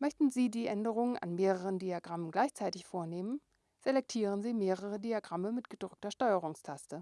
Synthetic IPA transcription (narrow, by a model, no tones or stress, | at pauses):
mœçtn̩ziːdiːʔɛndəʁ̞ʊŋənʔa̰nmeːʁəʁəndiaɡʁamənɡlaɪçt͡saɪtɪçfoːɐneːmən | z̥elɛk̚tʰiːʁ̞ənziːmeːʁəʁədiaɡʁaməmɪtɡ̥əd̥ʁʏk̚tɐʃtɔʏəʁʊŋstʰastə